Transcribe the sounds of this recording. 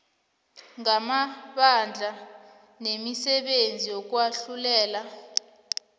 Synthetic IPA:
ŋamaɓand͡ɮʱa | nemisɛɓend͡zʱijɔk̬waɬulɛːla

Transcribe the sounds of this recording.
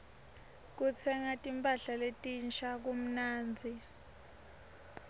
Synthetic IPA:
k̬ut͡sʰɛŋatʼimpʼaɬaletʼint͡ʃʰak̬um̩naːnd͡zʱi

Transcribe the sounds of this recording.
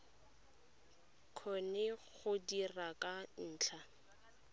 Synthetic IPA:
kʰɔnɛɣʊdirakʼan̩ːt͡ɬʰa

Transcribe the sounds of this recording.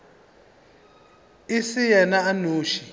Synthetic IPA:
isijɛnaanuːʃi

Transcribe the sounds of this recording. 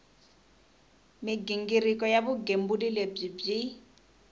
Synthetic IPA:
mɪɡiŋɡirikʼɔjabʊɡem̩bʊdileb͡ʐib͡ʐi

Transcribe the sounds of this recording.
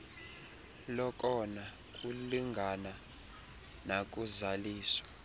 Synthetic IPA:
lɔkʼɔna | k̬ʼuliŋɡʱana | nak̬ʼuzaliːswḁ

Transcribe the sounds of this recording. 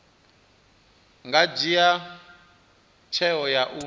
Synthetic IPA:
ŋɡad͡ʒija | t͡ʃʰɛɔjaʔu

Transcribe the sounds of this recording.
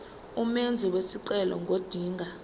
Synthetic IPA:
umend͡zʱiwesiǀɛlɔ̰ŋɡʱod̥ʱiːŋɡʱa

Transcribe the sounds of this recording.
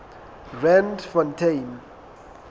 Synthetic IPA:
rɛndfɔntʰejn

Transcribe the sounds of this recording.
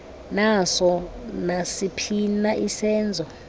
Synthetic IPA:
nasɔnasipʰinaʔisɛːnd͡zʱɔ

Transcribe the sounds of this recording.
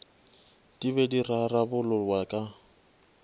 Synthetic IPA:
d̥ibɛdirarabʊlʊlwakʼa

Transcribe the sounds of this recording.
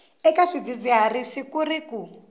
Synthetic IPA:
ɛkaʂid͡zid͡ziɦarisikuriku

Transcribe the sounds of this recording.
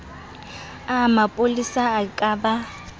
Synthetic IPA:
amapʼolisaːkʼaba

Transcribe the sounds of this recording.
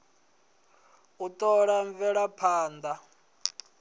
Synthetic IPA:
ut̪ʼɔɺaɱvɛɺapʰaːnd̪a

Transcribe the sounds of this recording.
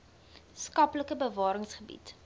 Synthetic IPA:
skɐpləkəbəvɑːɾəŋsχəbḭt

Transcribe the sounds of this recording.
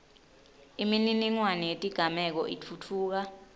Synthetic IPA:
imininiŋwanijetʼiɡ̥ʱamɛk̬ɔ̰ʔitʰutʰuːk̬a

